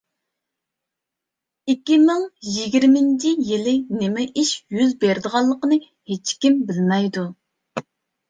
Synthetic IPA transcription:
ikʲːimɨŋjiɡʲiɾmɪnt͡ʃʰijilɪnɪmɛʔiʃjyzbeɾd̪əʁɑlˠːəqənɨ | het͡ʃkʲimbɪlmɛjd̪u

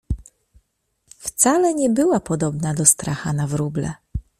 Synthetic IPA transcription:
ft̪salɛɲɛbɘwapɔd̪ɔbnad̪ɔst̪ɾaxanavɾublɛ̰

